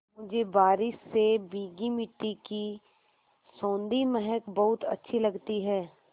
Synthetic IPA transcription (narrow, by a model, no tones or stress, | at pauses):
mʊd͡ʒʱebaːɾɪʃebiːɡimɪʈːiki | sõːnd̪imɛɦəkbɐɦʊt̪ɐ̰tːʃʰilɐɡt̪iɦɛː